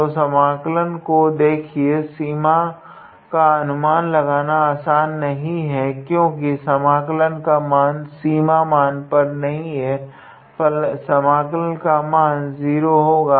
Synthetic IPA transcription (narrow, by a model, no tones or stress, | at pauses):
osɐmaːklənkod̪eːkʰiesiːma | kaɐnʊmaːnlɐɡaːnaaːsaːnːɐɦĩɦɛkjõːkisɐmaːklənkamaːnsiːmamaːnpɐɾnɐɦĩɦɛː | fɐlsɐmaːklənkamaːnziːɾoɦoːɡaː